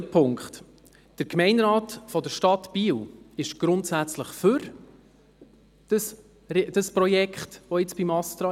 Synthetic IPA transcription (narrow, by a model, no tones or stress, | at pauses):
pʰʊŋkχt | d̥əɾkmɛɪnɾɑːtfɔdəɾʃtɑtbiːlɪʃɡ̥ɾʊntsæt͡sləχfʏɾ | d̥əs | ɾd̥əspɾɔjɛkχtʋɔɪt͡sb̥imɑst̪ɾɑ